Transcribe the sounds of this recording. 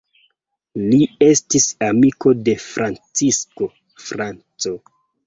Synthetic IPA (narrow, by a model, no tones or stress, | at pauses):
lie̞stisamiko̞de̞fɾʔant͡sisko̞ | fɾant͡so̞